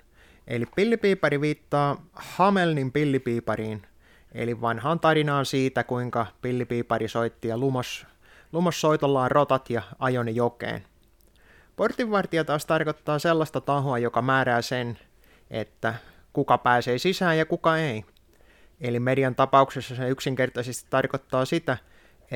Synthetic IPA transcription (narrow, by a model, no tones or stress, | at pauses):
ʔḛlippilːipiːpɑɾiʋiːt̪ːɑːhɑmelnimpilːipiːpɑɾiːn | ʔḛliʋʋɑnhɑːnt̪ɑɾinɑːnsiːt̪ækuiŋkɑpilːipiːpɑɾisoit̪ːiɑlumɑs | lumɑsːoit̪olːɑːrʔot̪ɑt̪jɑɑjonejokḛːn | port̪iʋːɑrt̪iɑt̪ɑːst̪ɑrkot̪ːɑːselːɑst̪ɑt̪ɑɦoɑjokɑmæːɾæːsen | ʔḛt̪ːæ | kukɑpæːseːsisæːjɑkukɑei | elimedijɑnt̪ɑpɑuksesːɑseyksiŋke̞rt̪ɑisest̪i̥t̪ːɑrkot̪ːɑːsit̪æ